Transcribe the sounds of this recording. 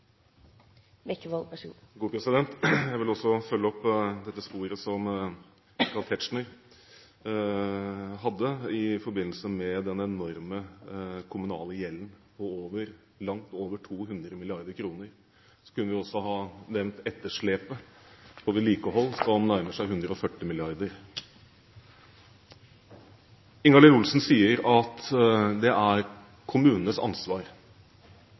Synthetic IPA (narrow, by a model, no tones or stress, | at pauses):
mɛkːəʋɑlpʂu | ɡuːpʰɾɛsɪd̪ɛnt̪jæɪʋɪlɔsːɔfœlːəɔpːd̪ɛt̪ːəspuːɾəsɔm | kʰɑlt̪ʰɛʈʂɳəɾ | ɦɑd̪ːəɪfɔɾbɪnəlsəmɛd̪ɛnɛnɔɾməkʰʊmʉnɑ̰ːləjɛlːnpʰɔoːʋəɾ | lɑŋt̪oːʋəʈʰuːɦʉnd̪ɾəmɪlɪɑɾd̪əɾkʰɾuːnəɾ | sɔ̥kʉnːəʋɪɔsːɔɦɑːnɛʋnt̪ɛt̪ːəʂɭeːpəb̥oːd̪əliːkəɦɔlːsɔmnæɾməʂæɪɦʉnd̪ɾəɔfœʈːɪmɪlɪɑɾd̪əɾ | ɪŋɑləɾʊlsnsiːəɾɑt̪d̪ɛʔæɾ | kʰʊmʉːnnəsɑ̰nsʋɑːɾ